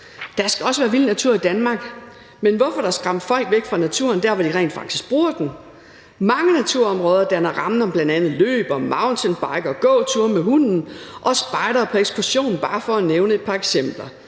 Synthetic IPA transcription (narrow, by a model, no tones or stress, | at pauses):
d̥ɑ̈sɡ̥æɒ̽səʋæːɐʋilnæt͡sʰuɐ̰id̥ænmɑ̈ːɡ̥ | menʋɒfɒ̽ɾ̥ɑɑ̈sɡ̥ʁɑ̈m̰d̥fɒ̽l̰ɡ̥ʋeɡ̥fʁɑ̈næt͡sʰṵɐnd̥æɐʋɒd̥iʁɛ̰ːnd̥fɑ̈ɡ̥d̥isɡ̥b̥ʁuːɐd̥en̩ | mɑ̈ŋənæt͡sʰuɐɒ̽mʁɔːð̞ˠɐd̥ænɐʁɑ̈mn̩ɒ̽b̥lænd̥ænð̩ˠlø̰ːb̥ɒ̽mɑ̈ʊnt͡sʰenb̥ɑ̈ɪɡ̥ɒɡ̥ɔ̰̽ːt͡sʰuɐmehun̰n̩ʔɒ̽sb̥ɑ̈ɪɾ̥ɐpʰɒ̽eɡ̥skʰuɐɕo̝̰ːnn̩b̥ɑ̈ːfɒ̽æneʊnəe̝d̥̚pʰɑ̈eɡ̥sem̰b̥lɐ